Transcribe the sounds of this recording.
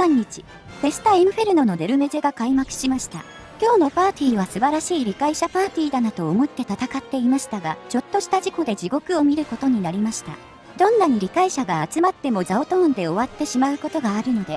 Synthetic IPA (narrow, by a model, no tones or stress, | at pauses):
sãɲ̟ːit͡ɕi̥ | pe̞st̪aĩɯ̟ɸe̞ɾɯ̟no̞no̞d̪e̞ɾɯ̟me̞ze̞ɡakaimakɯ̟̥ɕimaɕi̥t̪a̰ | kʲo̞ːno̞paːt̪ʲiːβasɨbaɾaɕiːɾʲikaiɕapaːt̪ʲiːd̪anat̪o̞ːmo̞t̪ːe̞t̪at̪akat̪ːe̞imaɕi̥t̪aɡat͡ɕo̞t̪ːo̞ɕi̥t̪aʑiko̞d̪e̞d͡ʑiɡo̞kɯ̟o̞mʲiɾɯ̟ko̞t̪o̞ɲ̟inaɾʲimaɕi̥t̪a̰ | d̪̥õ̞nːaɲ̟iɾʲikaiɕaɡaːt͡sɨmat̪ːe̞mo̞zao̞t̪õ̞ːnd̪e̞o̞βat̪ːe̞ɕimaɯ̟ko̞t̪o̞ɡaːɾɯ̟no̞d̪e̞